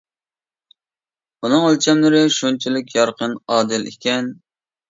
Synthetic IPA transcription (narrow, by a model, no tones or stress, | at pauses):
bunɨŋølt͡ʃʰɑmlˠɨɾɪʃunt͡ʃʰilɪkʲjɑɾqənɑːd̪ɪlḭkʲɛn